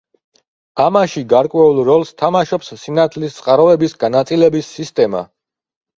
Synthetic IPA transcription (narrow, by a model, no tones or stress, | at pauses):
amaʃiɡaɾkʼwɛulˠɾɔlˠst̪ʰamaʃɔpsːinat̪ʰlist̪sʼqʼaɾɔɛbisɡanat̪sʼilɛbisːist̪ʼɛma̰